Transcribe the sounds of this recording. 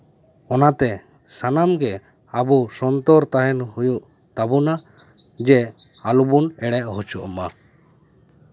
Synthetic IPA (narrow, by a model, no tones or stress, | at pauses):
ɔnat̪ɛ | sanamɡɛ | abusɔnt̪ɔɾt̪aɦɛnhujuʔ | t̪abunad͡ʒɛ | alubunɛɽɛʔɦut͡ʃuʔɔma